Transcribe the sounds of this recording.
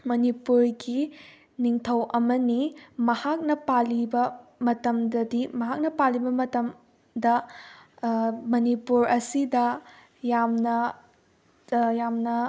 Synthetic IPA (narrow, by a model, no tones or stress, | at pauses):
mɐnipuɾɡi | niŋtʰɐwʔɐmɐnimɐhak̚nɐpalibɐmɐtɐmdɐdimɐɦak̚nɐpalːibɐmɐtɐm | dɐ | mɐnipuɾɐsidɐ | jamnɐ | jamnɐ